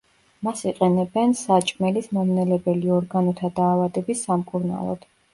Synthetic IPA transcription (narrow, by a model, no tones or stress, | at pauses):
masiqʼɛnɛbɛnsat͡ʃʼmɛlismɔmnɛlɛbɛliɔɾɡanɔt̪ʰad̪aːvad̪ɛbisːamkʼuɾna̰lˠɔ̰d̪̥